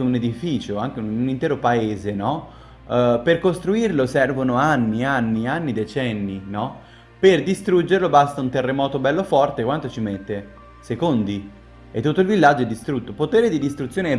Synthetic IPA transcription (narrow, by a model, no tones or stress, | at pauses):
uned̪ifiːt͡ʃoaŋk̟eunint̪ɛːɾopaeːzenɔ | perkost̪ɾuirlosɛrvonoanːianːianːid̪et͡ʃɛnːinɔ | perd̪ist̪ɾud͡ʒeɾlobast̪aunt̪erːemɔːt̪obɛlːofɔrt̪ekwant̪ot͡ʃimet̪ːe | sekond̪i | ḛt̪ːut̪ːoilvilːad͡ʒoɛd̪ːist̪ɾut̪ːopot̪eːɾed̪id̪ist̪ɾut̪sːjoːneɛ